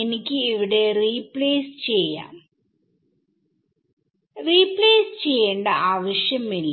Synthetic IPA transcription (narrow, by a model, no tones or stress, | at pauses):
enikʲːɨiʋiɽe̞riːpleːst͡ɕe̞jːa̰ːm | riːpːleːsɨt͡ɕe̞jːeːɳɖɐʔaːʋɐɕjɐmilː